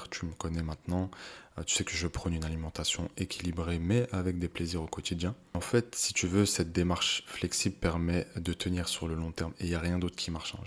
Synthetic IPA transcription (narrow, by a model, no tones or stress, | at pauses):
ʁt̪yməkɔnɛmɛ̃t̪nɑ̃t̪y̥sɛkəʒəpχɔnynalimɑ̃t̪asjɔ̃ekʲʰilibʁemɛʔavɛk̚d̪epleziʁokɔt̪id̪jɛ̃ | ɑ̃fɛt̪si̥t̪yvøsɛt̪̚d̪emaʁʃflɛksibləpɛʁmɛd̪ət̪ʰəniːʁsyʁləlɔ̃t̪ɛʁmeijaʁjɛ̃d̪ot̪χkʲʰimaʁʃɑ̰̃ʒ